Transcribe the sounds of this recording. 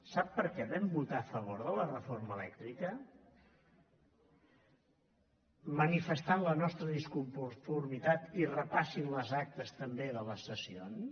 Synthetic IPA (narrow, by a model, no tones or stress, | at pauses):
sapːəɾkɛβɛmbut̪aːfəβ̞oɾðələrəforməlɛkt̪ɾikə | mənifəst̪anlənɔst̪ɾəðiskumpufuɾmit̪at̪irəpasinləzak̚t̪əst̪əmbeðələsəsions